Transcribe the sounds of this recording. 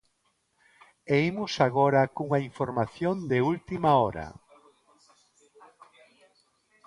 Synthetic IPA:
eimʊsaɣɔɾɐkuŋaiɱfoɾmaθjond̪eult̪imaɔɾɐ̰

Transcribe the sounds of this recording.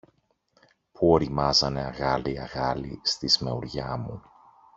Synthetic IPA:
puo̞ɾimɐzɐne̞ɐɣɐliɐɣɐlist̪izme̞uɾʝɐmu

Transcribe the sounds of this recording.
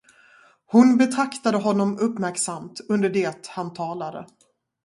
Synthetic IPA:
hʊnbɛt̪ʰɾakt̪ad̪əɦɔnːɔmɵpːmæɾksamt̪ɵnd̪əɖeːt̪hant̪ʰɑːlad̪ə̰

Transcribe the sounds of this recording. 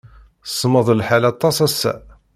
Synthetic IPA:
sˤːməðˤlħalɑt̪ˤːɑsæsæ̰

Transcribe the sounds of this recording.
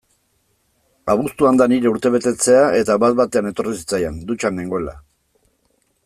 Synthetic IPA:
aβ̞ust̪uand̪aniɾe̞uɾt̪e̞β̞e̞t̪e̞t͡se̞aʔe̞t̪aβat̪̚bat̪e̞ane̞t̪o̞risi̥t͡sajand̪ut͡ʃaneŋɡo̞ela̰

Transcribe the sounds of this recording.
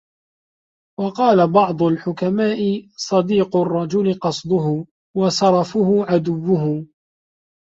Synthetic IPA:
wɑqɑːlabɑʕd̪ˤʊlħʊkamaːʔɪsˤɑd̪iːqʊrˤːɑd͡ʒʊlɪqɑsˤd̪ˤʊɦʊ | wɑsɑɾˤɑfʊhʊʕad̪ʊwːʊɦʊ

